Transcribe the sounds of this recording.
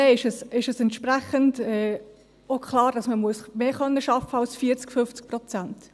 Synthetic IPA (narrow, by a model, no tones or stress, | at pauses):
ɛɪʃɛsɪʃɛsɛntʃpɾæχəndɛː | okχlɑːɾd̥ɑsməmuəsmeːχœnːəʃɑfəɑlsfiːət͡skfʏft͡sk̚prɔt͡sænt